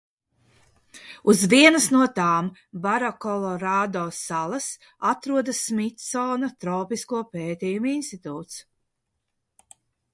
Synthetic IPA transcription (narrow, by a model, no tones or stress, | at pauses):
uzviɛnɐsnuɔt̪aːmbaɾɔkɔlˠɔɾaːd̪ɔːsalˠɐs | at̪ɾuɔd̪ɐsmit̪sɔːnɐt̪ɾɔːpiskuɔpeːt̪ʲiːjuminst̪it̪uːt̪s